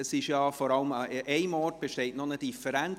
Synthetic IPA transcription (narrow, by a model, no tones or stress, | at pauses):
əsɪʃjɑːfoɾɑləmʔɛɪmɔrt̚b̥eʃtɛɪtnonəd̥ifəɾæn